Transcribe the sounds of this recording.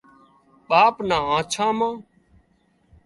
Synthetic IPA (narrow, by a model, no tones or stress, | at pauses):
ɓaːpnãːãːt͡ʃʰãːmãː